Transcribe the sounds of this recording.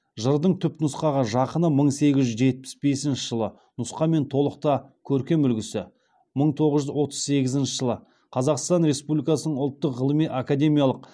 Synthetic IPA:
ʒəɾd̪əɴt̪ʰʏpnʊsqɑʁəʒɑqənəməɴse̞ɡʲɪʒʒʏzʒe̞t̪̚pɪ̥sbe̞sɪnʃɪʒəlˠə | nʊsqɑme̞nt̪ʰo̞lˠəq̚t̪ɑkʲʰɵɾkʲe̞mʏlɡʲɪsɪ | məɴt̪ʰo̞ʁəzʒʏzwo̞t̪ə̥z̥se̞ɡʲɪzɪnʃɪʒəlˠə | qʰɑzɑqst̪ɑnɾe̞spublʲijkɑsənəɴʊlˠt̪ːəqʁəlˠəmijʔakad̪e̞mijalˠəq̚

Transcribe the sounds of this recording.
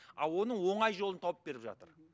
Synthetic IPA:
ɑ̰lˠwo̞nəɴwo̞ɴɑjʒo̞lˠənt̪ʰɑwəp̚be̞ɾɪpʒɑ̰t̪əɾ

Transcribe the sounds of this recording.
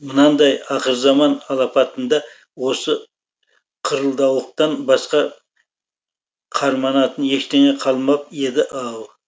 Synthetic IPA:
mənɑnd̪ɑjɑqəɾzɑmɑnɑlˠɑpɑt̪ənd̪ɑ | wo̞sə | qʰʊɾəlˠd̪ɑwlˠəq̚t̪ɑnbɑsqɑ | qʰɑɾmɑnɑt̪ənje̞ʃt̪eŋeqʰɑlˠmɑp̚e̞d̪ɪʔɑlˠ

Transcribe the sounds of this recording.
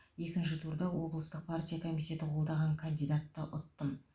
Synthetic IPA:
je̞kʲɪnʃ̬ɪt̪ʰuɾd̪ɑwo̞blˠəst̪əq̚pʰartʲijakʰomijt̪ʲe̞t̪ɪqʰwolˠd̪ɑʁɑŋkʰɐnd̪ijd̪at̪ːəʔʊt̪ːəm

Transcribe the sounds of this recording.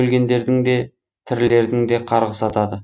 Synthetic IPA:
ɵlɡʲe̞nd̪e̞ɾd̪ɪŋd̪e̞ | t̪ʰɪɾle̞ɾd̪ɪŋd̪e̞qʰɑɾʁəsɑt̪ɑd̪ə

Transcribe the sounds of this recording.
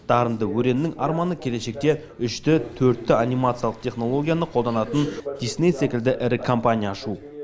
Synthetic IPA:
d̪̥ɑɾənd̪əwɵɾe̞nnɪŋɑɾmɑnəkʲʰe̞le̞ʃe̞k̚t̪e̞ | ʏʃt̪ɪt̪ʰɵɾt̪ːɪanʲimat̪sɨjalˠəq̚t̪ʰʲe̞χno̞lˠo̞ɡʲijanəqʰo̞lˠd̪ɑnɑt̪ənd̪̥ijsnejsekʲɪld̪ɪʔɪɾɪkʰompanʲijaːʃu

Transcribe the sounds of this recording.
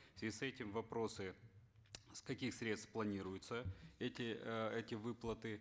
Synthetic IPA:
ɪsɛtʲɪmvɐpɾo̞sɨ | skɐkʲixsɾʲet̪st̪fplˠɐnʲiɾʊjʊt̪səɛtʲɪɛtʲɪvɨplˠət̪ɨ

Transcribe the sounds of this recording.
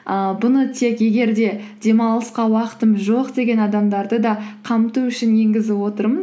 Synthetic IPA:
əbʊnət̪ʰe̞kje̞ɡʲe̞ɾd̪e̞d̪ʲe̞mɑlˠəsqɑwɑqə̥t̪əmʒo̞qd̪e̞ɡʲe̞nɑd̪ɑmd̪ɑɾd̪əd̪ɑqʰɑmt̪uʏʃɪnje̞ŋɡʲɪzɪpwo̞t̪əɾməz

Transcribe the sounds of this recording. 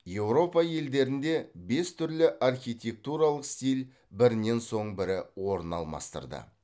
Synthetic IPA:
je̞wɾo̞pɑje̞ld̪e̞ɾɪnd̪e̞be̞st̪ʰʏɾlɪʔarχʲijt̪ʲe̞k̚t̪uɾɑlˠəqst̪ʲijl | bɪɾɪnːe̞nso̞ɴbɪɾɪwo̞ɾənɑ̰lˠmɑ̰st̪ə̰ɾd̪ə̰

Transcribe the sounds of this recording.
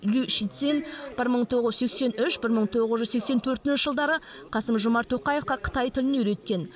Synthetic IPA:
lʲyʃit̪senb̥ɪɾməɴt̪ʰo̞ʁəzsekse̞nʏʃbɪɾməɴt̪ʰo̞ʁəzʒʏzsekse̞nt̪ʰɵɾt̪ɪnʃɪʒəlˠd̪ɑɾə | qʰɑsəmʒʊmɑɾt̪ʰoqɑje̞fqɑqʰə̥t̪ɑjt̪ʰɪlɪnʏɾe̞t̪̚kʲe̞n

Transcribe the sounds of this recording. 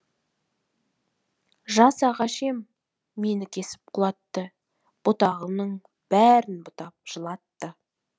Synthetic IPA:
ʒɑsɑʁɑʃe̞mː | e̞nɪkʲʰe̞sɪ̥p̚qʰʊlˠɑt̪ːə | b̥ʊt̪ɑʁənəɴ | b̥æɾɪnbʊt̪ɑp̚ʒ̥əlˠɑt̪ːə

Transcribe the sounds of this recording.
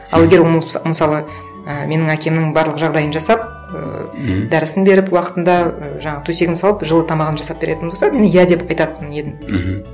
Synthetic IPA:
ɑ̰lˠeɡʲeɾwoməlˠməsɑlˠə | əme̞nɪŋækʲʰe̞mnɪŋbɑɾlˠəqʒɑʁd̪ɑjənʒɑsɑp̚ | ə̰d̪æɾɪsɪnbe̞ɾɪpwɑqə̥t̪ənd̪ɑəʒɑɴɑʁət̪ʰuse̞ɡʲɪnsɑlˠəpʒəlˠət̪ʰɑmɑʁənʒɑsɑp̚b̥e̞ɾʔe̞t̪ɪnbolsɑmenɪjæd̪epɑjt̪ɑt̪əne̞d̪ɪm

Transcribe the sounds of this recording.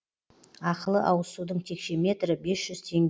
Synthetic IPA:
ɑqəlˠəʔɑwəsud̪əɴt̪ʰe̞kʃe̞me̞t̪ɾɪbe̞sʒ̥ʏzt̪ʰe̞ŋʲ

